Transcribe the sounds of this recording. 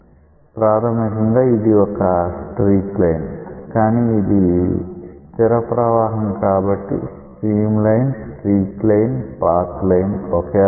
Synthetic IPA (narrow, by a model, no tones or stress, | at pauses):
pɾaːɾɐmikɐŋɡaːid̪iɔkɐsʈɾiːklɐjnkaːniːd̪i | t̪iɾɐpɾɐʋaːɦɐmkaːbɐʈːḭsʈɾiːmlɐjnsʈɾiːklɐjnpaːɾt̪lɐjnɔkeː